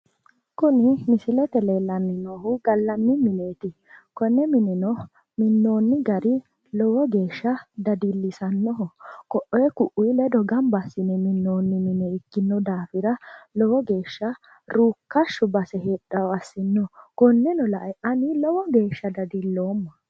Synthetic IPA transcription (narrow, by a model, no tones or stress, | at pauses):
kʊnɪmɪsɪlɛt̪ɛleːlɐnːɪnɔɦʊɡɐlːɐnːɪmɪneːt̪ɪ | kɔnːɛmɪnɪnɔ | mɪnːo̞ːnːɪɡɐɾɪ | lɔwɔɡe̞ːʃːɐd̪ɐd̪ilːɪsɐnːɔɦɔkɔʔɔjɛkʊʔʊjlɛd̪ɔɡɐmbɐsːɪnɛmɪnːo̞ːnːɪmɪnɛɪkːɪnːɔd̪aːfɪɾɐlɔwɔɡe̞ːʃːɐ | ɾuːkːɐʃːʊbɐsɛheɗːɐɐsːɪnːɔkɔnːɛnɔlɐʔɛʔɐnɪlɔwɔɡe̞ːʃːɐd̪ɐd̪ilːo̞ːmːɐ